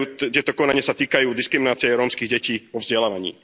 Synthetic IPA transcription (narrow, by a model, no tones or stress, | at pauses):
ut̪ɪɛt̪ɔkɔnaɲɪasat̪iːkajuːd̪iskɾiminaːt͡siɪɛɾɔːmskiɣɟɛciːʋɔvzɟɛlaːʋaɲḭː